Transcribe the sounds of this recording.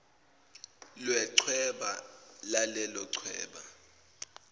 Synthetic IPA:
lwɛǀʰwɛɓalalɛlɔǀʰwɛ̰ːɓa

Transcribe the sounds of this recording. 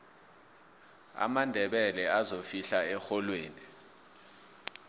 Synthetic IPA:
a̰mandʱɛɓɛlɛazofiɬaɛxɔlweːni

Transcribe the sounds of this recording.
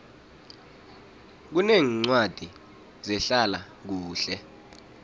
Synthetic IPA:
k̬uneːŋŋ͡ǀwad̥ʱi | zɛɬala | k̬uːɬɛ

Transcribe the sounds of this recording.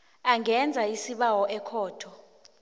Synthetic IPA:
aŋɛnd͡zʱaisiɓawɔʔɛkʰɔːtʰɔ

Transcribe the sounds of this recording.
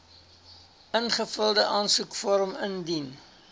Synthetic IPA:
ʔənχəfəlˠdəʔɑːnsukfɔrməndin

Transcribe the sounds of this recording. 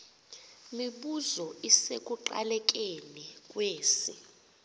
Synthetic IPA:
miɓuzɔisek̬ʼuǃa̰lɛk̬ʼenikʼweːsi

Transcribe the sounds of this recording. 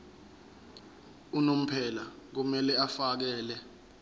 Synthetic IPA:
unom̩pʰɛlak̬umɛlɛafak̬ɛːlɛ

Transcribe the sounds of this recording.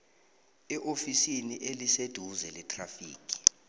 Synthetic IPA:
ɛʔofisiniʔelised̥ʱuzɛlɛtʰʼrafiːkʰʼi̥

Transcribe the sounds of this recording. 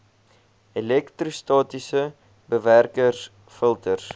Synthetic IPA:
elɛktrostɑːtisə | bəværkərs | fəlˠtərs

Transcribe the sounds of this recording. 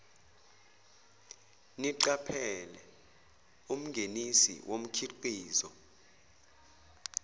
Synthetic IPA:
niǀapʰɛlɛ | um̩ŋɡʱenisḭwʔom̩kʰiǃiːzɔ

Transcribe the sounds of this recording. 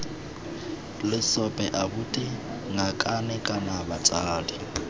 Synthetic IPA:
lɪsɔpʼɛʔabʊtʼɪ | ŋakʼanɛkʼanabat͡sʼaːli

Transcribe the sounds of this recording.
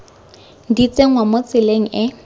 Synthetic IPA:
dit͡seŋ̩wamot͡sɪleŋ̩ɪ

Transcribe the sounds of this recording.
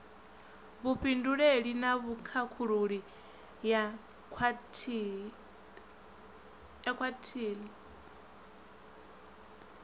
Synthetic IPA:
βuɸinduɺeɺinaβukʰakʰuɺuɺi | ja | tʰ | jakʰwatʰiːli

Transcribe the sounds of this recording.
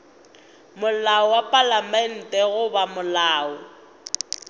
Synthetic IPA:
mʊlaɔwapʼalamɛn̩tʼɛɣʊbamʊlaːʊ

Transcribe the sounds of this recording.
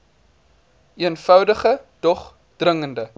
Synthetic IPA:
iənfœwdəχəd̥ɔχ | d̥rəŋəndə

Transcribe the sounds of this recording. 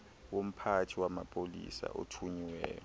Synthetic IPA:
wom̩pʰatʰiwamapʼolḭsa̰ʔo̰tʰuɲiwɛ̰ːjɔ

